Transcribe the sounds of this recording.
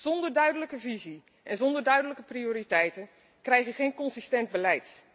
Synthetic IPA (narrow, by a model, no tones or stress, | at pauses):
z̥ɔndəɹdœɥdələkəvizi | ʔɛnzɔndərdœɥdələkəprioːɾitɛjtən | krɛjχəχejnkɔnsistɛnd̚bəlɛjt